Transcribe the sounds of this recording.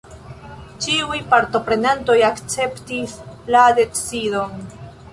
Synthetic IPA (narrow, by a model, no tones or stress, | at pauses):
t͡ʃiujpaɾto̞pɾe̞nanto̞jakt͡se̞ptislade̞t͡sido̞n